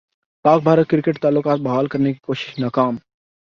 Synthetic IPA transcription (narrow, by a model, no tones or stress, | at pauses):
paːk̚bʱaːɾət̪̚kɪɾɪkeʈt̪aːlːʊkaːt̪̚bɐɦaːlkɐɾneki̥koːʃɪ̥ʃnaːkaːm